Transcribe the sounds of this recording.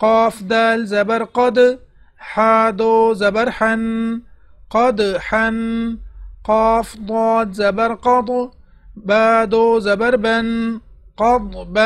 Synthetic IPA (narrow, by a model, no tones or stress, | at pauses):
qɑːfd̪aːlzabaɾqɑd̪ | ħaːd̪ozabaɾħan | qɑd̪ħan | qɑːfd̪ˤɑːlzabaɾqɑd̪ˤ | baːd̪ozabaɾban | qɑd̪ˤba